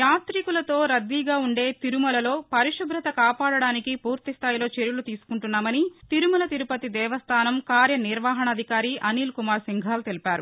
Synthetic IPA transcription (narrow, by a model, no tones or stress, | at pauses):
jaːt̪ɾikulɐt̪o̞ːɾɐd̪ːiːɡaːuɳɖe̞ːt̪iɾumɐlɐlo̞ːpɐɾiʂubɾɐt̪ɐkaːpaːɽɐɽaːnikipuːɾt̪ist̪ʰaːjilo̞ːt͡ʃeɾjulut̪iːsu̥kuɳʈunːaːmɐnit̪iɾumɐlɐt̪iɾupɐt̪id̪ɛːʋɐst̪ʰaːnɐmkaːɾjɐniɾʋaːɦɐɳɐd̪ʱikaːɾiːʔɐniːlkumaːɾsiŋɡʱaːlt̪e̞lipaːɾu